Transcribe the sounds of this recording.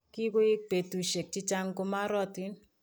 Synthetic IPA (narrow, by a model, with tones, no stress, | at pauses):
ki˦ko˦i˦k̚pe˨tu˨ʃe˨k̚t͡ʃi˦t͡ʃa˦ŋko˦ma˦ɾɔ˦ti˦n